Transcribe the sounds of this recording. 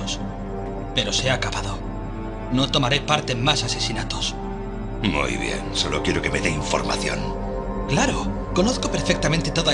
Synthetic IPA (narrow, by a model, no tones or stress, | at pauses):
os | pe̞ɾo̞seakapaðo | no̞t̪o̞maɾepaɾt̪emasase̞sinat̪os | mṵjβje̞̰nso̞lo̞kjeɾokeme̞ðeiɱfo̞̰ɾma̰θjo̰n | klaɾo | ko̞noθko̞peɾfek̚t̪amẽnt̪et̪oða